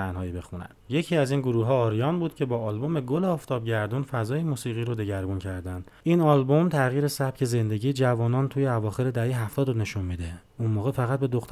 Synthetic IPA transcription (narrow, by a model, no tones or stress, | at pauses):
ænhɒːjibe̞xunæ̰nd̪je̞cʰiæziːnɡoɾuːɦɒːɾijɒːnbuːd̪̥cʰe̞bɒːlbome̞ɡoleɒːft̪ʰɒːbɟæɾd̪unfæzɒːjemuːsiːɣiːɾod̪e̞ɟæɾbuncʰæɾd̪ænd̪̥inɒlbo̞mt̪ʰæɣjiːɾe̞sæb̥̚cʲʰe̞ze̞nd̪e̞ɟiːd͡ʒævɒːnɒːnt̪ʰuːjeævɒːxe̞ɾe̞d̪æhejɦæft̪ʰɒːd̪one̞ʃunmiːd̪e | unmoːɣefæɣæt̪̚be̞d̪o̞xt̪